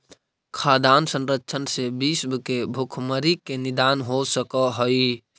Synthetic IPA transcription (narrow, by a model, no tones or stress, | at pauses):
kʰad̪ansə̃nɾətːt͡ʃʰənsebisbkebʱukʰməɾikenid̪anɦosəkəɦəj